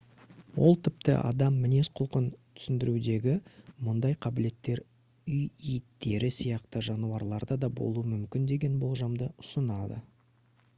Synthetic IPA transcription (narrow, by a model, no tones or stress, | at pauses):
wo̞̰lˠt̪ʰɪp̚t̪ɪ̰ʔɑ̰d̪ɑmːɪne̞sqʰʊlˠqənt̪ʰʏ̥sɪnd̪ɪɾud̪e̞ɡʲɪmʊnd̪ɑjqʰɑbɪle̞t̪ːe̞ɾ | ʏjijɪt̪ːe̞ɾɪsijɑqt̪əʒɑnuwɑɾlˠɑɾd̪ɑd̪ɑbo̞̰lˠuəmʏmkʲɪnd̪e̞ɡʲe̞nbo̞lˠʒɑmd̪əʊsənɑd̪ə̰